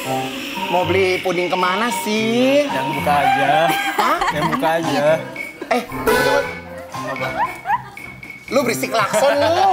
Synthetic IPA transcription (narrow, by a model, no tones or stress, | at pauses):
mobəliponɪŋkəmanasijabukad͡ʒaajabukad͡ʒaɛhluu | ba | lubɾisɪklafɔnlu